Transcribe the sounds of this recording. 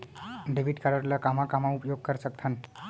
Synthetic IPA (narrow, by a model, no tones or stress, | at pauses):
ɖebʱiʈkaɾəɾləkamakamaupjoɡ̚kəɾsək̚t̪ʰən